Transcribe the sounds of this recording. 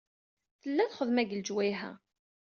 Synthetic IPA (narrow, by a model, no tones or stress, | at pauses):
θəlːæθχəðmæɡəld͡ʒwæjɦæ̰